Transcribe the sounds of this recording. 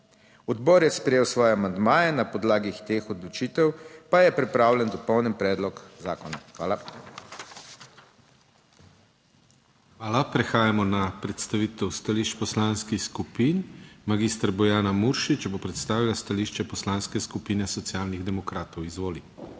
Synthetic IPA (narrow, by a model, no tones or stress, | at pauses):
ɔd̪bɔːɾjɛspɾɛjeːwsʋɔːjɛamand̪maːjɛnapɔd̪laːɡit̪eːxɔd̪lɔt͡ʃiːt̪ɛwpajɛpɾipɾaːwlɛnd̪ɔpɔwnənpɾɛːd̪lɔkzaːkɔnaxʋa̰ːla | xʋaːlapɾɛxaːjamɔnapɾɛt̪st̪aʋiːt̪ɛwst̪aliːʃt͡ʃpɔslanskixskupiːnmaɡiːst̪ɾbɔjaːnamuɾʃit͡ʃbopɾɛt̪st̪aːʋilast̪aliːʃt͡ʃɛpɔslaːnskɛskupinɛsɔt̪siaːlniɣd̪ɛmɔkɾaːt̪ɔwizʋoːli